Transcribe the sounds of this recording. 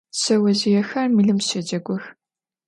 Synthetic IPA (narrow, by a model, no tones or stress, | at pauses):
ɕɐwɐzijɛxɐrmiɨɮɨmɕɐd͡ʒɐɡʷɔx